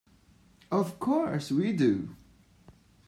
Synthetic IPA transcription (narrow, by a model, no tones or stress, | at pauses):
ʌv̥kʰɔɹswidu